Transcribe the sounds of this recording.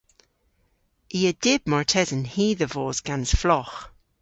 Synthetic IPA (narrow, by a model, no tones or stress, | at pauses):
iːəd̥ɪb̥̚mɔɹtʰɛzənhiːðəvɔːzɡ̥anz̥flɔx